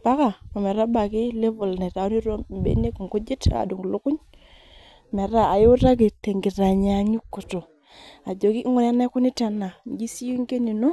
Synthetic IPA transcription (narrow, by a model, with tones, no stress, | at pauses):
pa˦ka˨mo˨mɛ˨ɾa˦ba˨ki˦le˦vu˨lne˨ta˨u˦ni˦ɾo˦m˦bḛ˦ne˦kŋko˦d͡ʒe˦tʰa̰˨du˨ŋ˨lu˦kʊ˦ɲ | me˨ɾa˦˨a˨ju˦ta˦k̬i˨te˨ŋɡi˨ta˨ɲa˨ɲu˦kːu˨to˨ | a˨d͡ʒo˨ki˦ŋu˨ɾa˦na˦ku˦ni˦ta˨na˨ŋɡi˦si˦ju˦ŋɡe˦ni˨no˦